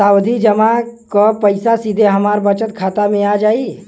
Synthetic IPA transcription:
saːwd̪ʱid͡ʒəmakopəɪsasid̪ʱeɦɐmaːɾbət͡ʃət̪kʰaːt̪amẽaːd͡ʒaːi

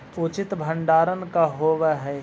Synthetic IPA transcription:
ut͡ʃɪt̪bʱə̃ɳɖaːɾənkaɦoːʋəɦɛː

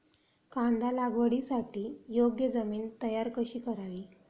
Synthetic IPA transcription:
kãɳd̪alaɡʋəɽisaʈiːjoɡjəd͡zəmiːnt̪əjaɾkəɕiːkəɾaʋiː

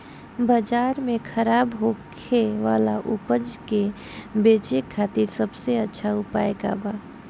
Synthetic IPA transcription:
bəd͡ʒaːɾmẽkʰəɾaːbɦokʰeʋa̰ːlaʔʊpəd͡ʒke | beːt͡ʃekʰːaːt̪iɾsəbseətːʃʰaʊpa̰ːeka̰ːbaː

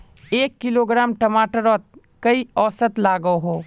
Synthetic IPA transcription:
eːkːɪloːɡɾaːmʈɐmaːʈəɾɔːt̪̚ | kɐiɔːsət̪laːɡəɦoː

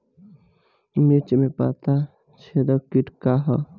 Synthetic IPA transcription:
mit͡ʃmepa̰t̪a | t͡ʃʰed̪ɔkiʈkaɦɔ̰

